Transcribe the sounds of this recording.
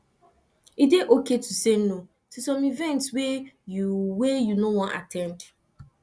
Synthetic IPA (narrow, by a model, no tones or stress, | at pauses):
ideʔoketuseno | tusɔ̃mivɛ̃ntswejuwejunowɔ̃nʔa̰tʰɛ̃nd